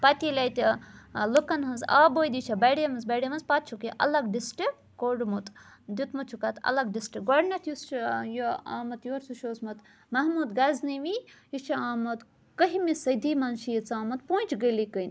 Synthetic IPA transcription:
pɐt̪ʲilʲɐjt̪lukɐnɦɐnza̰ːboːjd̪it͡ʃʰɐbɐɽemɐnzbɐɽimɐnzpɐt̪̚t͡ʃʰukiʔɐ̰lɐɡɖisʈik | koɖmut̪d̪ʲut̪mɐt͡ʃʰukɐt̪ɐ̰lɐɡɖisʈik̚ɡɐɽnɐt̪ʰjust͡ʃjoa̰ːmɐt̪joːɾsuʃoːsmɐt̪ | mɐɦmuːd̪ɡɐzniʋijit͡ʃʰiaːmɐt̪ | kɐɦimisɐjd̪iːmɐnʃijit͡saːmɐt̪̚puːt͡ʃʰɡəlikɐjn

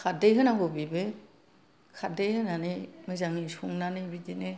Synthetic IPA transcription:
kʰadejɦɯnabɔbibe | kʰadejhɯnanɯmɯzaŋisuŋnanɯbidine

